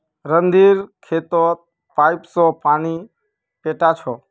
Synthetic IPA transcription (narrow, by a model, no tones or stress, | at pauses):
ɾənd̪iɾkʰeːt̪ot̪̚ | pajpsɔpaːni | peʈat͡ʃʰɔ